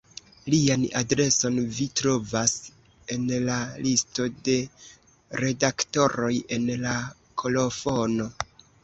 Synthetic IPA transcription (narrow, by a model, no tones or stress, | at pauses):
lianadɾe̞so̞nvitɾo̞vas | e̞nlalisto̞de̞ | ɾe̞dakto̞ɾo̞je̞nla | kʰo̞lo̞fono̞